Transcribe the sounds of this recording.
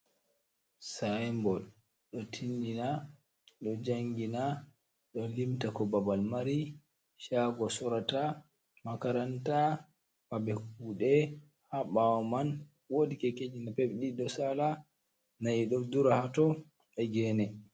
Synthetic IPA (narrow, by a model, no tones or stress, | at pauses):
sajmbɔl | ɗɔtʰindina | ɗɔd͡ʒaŋɡina | ɗɔlimtakɔbabalmaɾi | ʃaɡɔsɔɾata | makaɾanta | mabɛkuːɗɛ | haɓawɔman | wodikɛked͡ʒinapebɗidɔsala | najiɗɔduɾahatɔ | ɛɡɛːnɛ